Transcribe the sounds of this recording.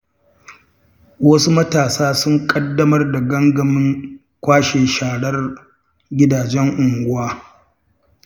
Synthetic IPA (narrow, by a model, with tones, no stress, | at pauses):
wɐ˦su˦mɐ˦taː˨saː˦sʊ˦ŋkʼɐ˦dːɐ˦mɐ˦rda˨ɡɐ˦ŋɡɐ˨mɪ˦ŋ | kʷaː˦ʃeː˨ʃaː˨ɽɐ˦r | ɡʲɪ˦daː˨d͡ʒɛ˦ŋʔʊ˨ŋɡʷʊ˦waː˦